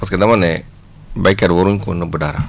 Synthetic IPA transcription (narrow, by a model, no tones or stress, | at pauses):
baskadamane | bakadwoɾuŋkonabudaɾa